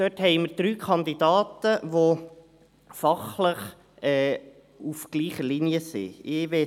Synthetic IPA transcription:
d̥øthɛɪməɾd̥̪ɾyːkʰɑnd̪id̥̪ɑːt̪əʋo | fɑχləχ | ɛː | ufɡ̥liːχəliniəsḭɪʋɛ

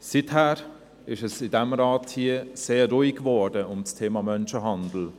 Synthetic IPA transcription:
sɪthæːɾ | ɪʃəsɪdɛmɾɑːthiəseːuɪkvɔdəʊmt͡stʰeːmɑmœnʃəɦɑndl̩

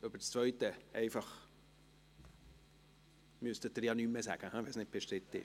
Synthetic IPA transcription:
ʔɑbət͡st͡svœʏt̪əʔɛɪfɑχ | myst̪ət̚ːəɾjɑnymːəsæɡ̥əhæʋɛlsnɪt̚b̥ɛʃtɾɪt̪ːɪ̰

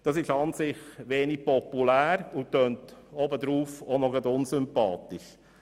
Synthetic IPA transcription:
d̥ɑsɪʃɑnsɪχʋeːnik̚pɔpulæːɾʊtːøːntɔbəd̪ɾuːfonɔɡɑd̪ʊnsʏmpɑːt̪ɪʃ

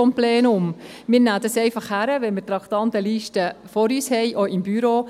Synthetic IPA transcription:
omplɛːnʊm | mɪːɾnæːd̪ɑsɛɪfɑχhæɾəʋɛnmɪɾt̪ɾɑkt̪ɑnt̪əliːʃtəfɔɾyːshɛjʔoʔɪmbyɾoː

